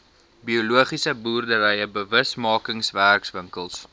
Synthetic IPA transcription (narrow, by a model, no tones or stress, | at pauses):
biuluəχisəbuːrdəvəjəbəvəsmɑːkəŋsværksvəŋkəlˠs